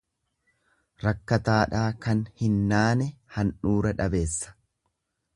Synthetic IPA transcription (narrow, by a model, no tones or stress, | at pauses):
ɾɐkːɐt̪aːᶑaːkɐnhɪnːaːnɛhɐnᶑuːɾɐᶑɐbe̞ːsːɐ̥